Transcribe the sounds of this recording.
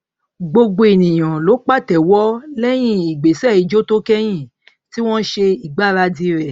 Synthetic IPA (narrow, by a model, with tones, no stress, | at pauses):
ɡ͡bo˧ɡ͡bo˧e˨nĩ˨j̃ã˨lo˨˦k͡pa˦˨tɛ˨wɔ˦lɛ˦j̃ĩ˦i˨ɡ͡be˨sɛ˦˨i˨˧d͡ʒo˦to˦kɛ˦j̃ĩ˦˨ | ti˦w̃ɔ̃˦ʃe˧i˨ɡ͡ba˦˨ɾa˧di˧˦ɾɛ˨